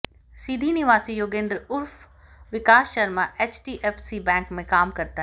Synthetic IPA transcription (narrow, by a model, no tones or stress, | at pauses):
sid̪ʱinɪʋaːsijoːɡẽːnd̪ɾəʊɾf | ʋɪkaːsʃɐɾmaʔeːt͡ʃʈiːʔeːfsibɛ̃ːŋkmẽkaːmkɐɾt̪aɦ